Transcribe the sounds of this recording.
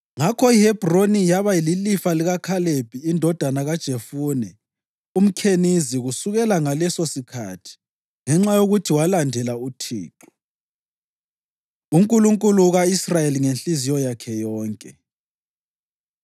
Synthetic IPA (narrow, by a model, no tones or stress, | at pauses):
ŋakʰɔihɛb̥ʱronijaβaililifaliɣakʰaleb̥ʱiːndʱɔd̥ʱanaɣad̥ʒ̥ʱefuːnɛ | um̩kʰeniziɣusuɣɛlaŋalɛsosikʰa̰ːtʰi̥ | ŋɛŋ͡ǁajoɣutʰiwalandʱɛlautʰḭːǁu̥ | uŋkʼuluŋkʼuluɣaisrajeliŋenɬizijɔjakʰɛjɔːŋkʼɛ